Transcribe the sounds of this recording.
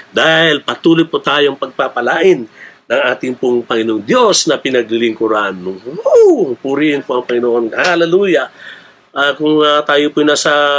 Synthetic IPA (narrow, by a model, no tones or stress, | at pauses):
d̪aːhɪlpɐt̪uːlʊjpʊt̪aːjoŋpɐɡ̚papɐlaːʔɪnː | ɐŋʔaːt̪ɪŋpʊŋpɐŋɪnoŋd̪jo̞snɐpɪnɐɡlɪlɪŋkʊɾanːʊŋopʊɾihɪnpoʔɐŋpɐŋɪnoʔonhalɐluːjɐ | ʔɐkʊŋɐt̪aːjopʊnaːsɐ